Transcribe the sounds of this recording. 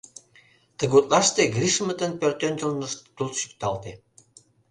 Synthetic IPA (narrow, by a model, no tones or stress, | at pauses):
t̪əɣut̪lɑʃt̪eɡɾiʃmə̆t̪ənpørt̪ønʲt̪əlnəʃt̪ult̪ʃyk̚t̪ɑlt̪e